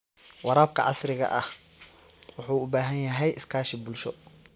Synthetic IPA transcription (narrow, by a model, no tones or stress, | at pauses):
wɑɾaːb̚kʰɐ̰ʕɑ̰sɾɪɣɐ̰ʔɐh | wʊħuːʊbaːɦɐnjɐɦɛjɪskʰaːʃɪbʊlʃɔ